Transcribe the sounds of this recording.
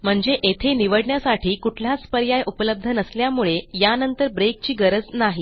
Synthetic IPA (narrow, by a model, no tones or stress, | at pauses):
m̤əɳd͡zeʔet̪ʰeniʋəɽɳjasaʈʰiːkuʈʰlat͡spəɾjajʔupələb̚d̪ʱənəsljamuɭejanənt̪əɾbɾek̚t͡ɕiːɡəɾəd͡znaɦi